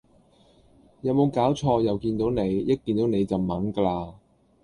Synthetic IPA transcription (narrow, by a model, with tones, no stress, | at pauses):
jɐ˨˧wmo˨˧wkaː˨˥wt͡ʃʰɔː˧jɐ˨wkiː˧nt̪o˨˥wne˨˧jjɐ˥kːiː˧nt̪o˨˥wne˨˧jt͡sɐ˨˩wmɐ˨˥ŋkə˧laː˧